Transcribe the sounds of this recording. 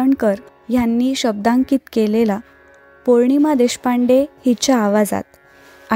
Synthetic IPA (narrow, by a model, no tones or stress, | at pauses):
əɳkəɾ | janːiːɕəb̚d̪ãŋkiːt̪kelela | poɾɳimad̪eɕpaɳɖehit͡ɕaːʋad͡za̰t̪̚ | a